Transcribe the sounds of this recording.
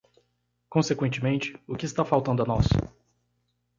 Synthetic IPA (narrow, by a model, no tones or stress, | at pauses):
kõsekwẽnt͡ʃɪmẽnt͡ʃɪ̥ʊkɪst̪afawt̪ɐ̃nd̪ʊɐnɔsʊ̥̰